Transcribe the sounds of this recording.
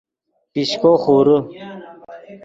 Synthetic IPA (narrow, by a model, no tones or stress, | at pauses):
piɕkoːxuːɾə